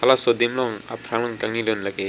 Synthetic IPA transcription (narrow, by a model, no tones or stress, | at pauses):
alasɔd̪emlɔŋa̰pʰɾaŋlɔŋkaŋnilɯnlake